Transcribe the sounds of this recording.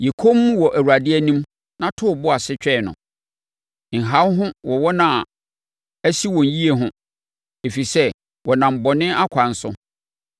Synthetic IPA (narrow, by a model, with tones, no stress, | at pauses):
je˨kʰo˦mː˦ũ˦wɔ˨ʔæ˨wu˨a˨dɪ˦ɛ˦nĩ˦m | nã˦tʰʊ˦˨bʊ˦a˨sɪ˦t͡ɕᶣɛ˦˨nʊ̰̃˨ | ŋ̩˨ɦa˦wɦʊ̃˦wɔ˨wɔ˦nã˦˨ | æ˦si˦wɔ̃˨n˨ji˦e˨ɦʊ̃˦ | e˨fi˨sɛ˦ | wɔ˨nã˨m̩˨bɔ˨nɪ̃˦a˦kʷʰã˨n̩˦sʊ̰˦